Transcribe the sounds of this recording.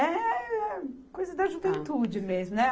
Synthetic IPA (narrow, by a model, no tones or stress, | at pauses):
ɛɛkojzɐd̪ɐʒuvẽnt̪ud͡ʒɪmezmʊnɛ